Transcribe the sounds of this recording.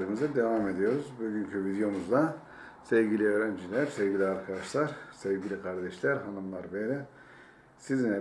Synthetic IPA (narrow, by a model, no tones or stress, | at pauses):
ɾɯmɯzɯd̪e̞vaːme̞d̪ijo̞ɾuzbyɟʲyncʰyvid̪jo̞muzd̪a | sevɟilʲiøːɾænd͡ʒilʲæɾsevɟilʲiaɾkʰad̪aʃlˠaɾsevɟilʲikʰaɾd̪ɛʃlʲæɾɦanɯmlˠaɾbeɾi | siznɛ